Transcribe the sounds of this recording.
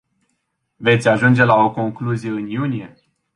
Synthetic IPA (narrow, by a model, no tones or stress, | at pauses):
ve̞t̪sʲaʒund͡ʒe̞lao̞ko̞ŋkluzije̞ɨnjunije̞